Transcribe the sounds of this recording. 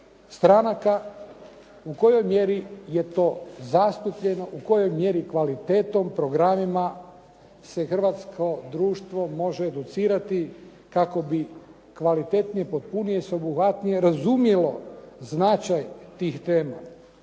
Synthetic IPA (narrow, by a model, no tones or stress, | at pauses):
st̪ɾanaka | uko̞jo̞jmje̞ɾije̞t̪o̞ːzast̪upʎeno̞ʔuko̞jo̞jmje̞ɾikʋalit̪e̞ːt̪o̞mpɾo̞ɡɾamima | se̞xr̩ʋat̪skʰo̞d̪ɾuːʃt̪ʋo̞mo̞ʒeːd̪ut̪siːɾat̪i | kako̞bi | kʋalit̪e̞t̪nijepot̪̚punijeseobuxʋat̪nije̞ɾazumjelo̞znat͡ʃajt̪iːxt̪e̞ːma̰